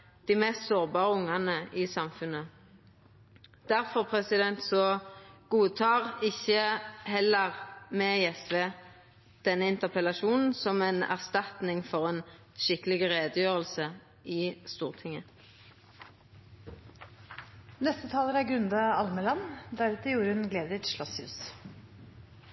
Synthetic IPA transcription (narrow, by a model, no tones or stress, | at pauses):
d̪̥iːmɛst̪soːʁbɑːʁəʊŋːɑnəʔɪsɑmfʉnːə | d̪̥æʁfɔʁpʰʁɛsɪd̪ɛnt̪sɔɡ̥uːt̪ʰɑːʁɪçəhɛlːəʁmɛːɛsʋeː | d̪̥ɛnːəɪnt̪əʁpʰɛlɑʃuːnn̩sɔmɛnæ̰ʁst̪ɑt̪nɪŋfɔʁɛn | ʃɪkəlɪɡəʁeːd̪əjøːʁəlsə | iːst̪uːʁt̪ʰɪŋə | nɛst̪ət̪ʰɑːləɾæɾɡɾʉnd̪ɑɑlməlɑnd̪æɾʉːt̪əjuːɾəhʉnɡleːd̪ɪt̪ʃlɔshʉ̰ːs